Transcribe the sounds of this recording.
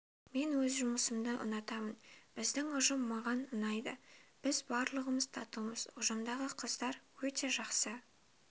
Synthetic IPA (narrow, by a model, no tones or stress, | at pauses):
me̞nwɵzʒʊməsəmd̪əʔʊ̰nɑt̪ɑmənb̥ɪzd̪ɪŋʊʒəmːɑʁɑnənɑjd̪ə̰b̥ɪzbɑɾlˠəʁəməz̥t̪ʰɑt̪əlˠməz̥ʊʒəmd̪ɑʁəqʰəzd̪ɑɾwɵt̪e̞ʒɑqsə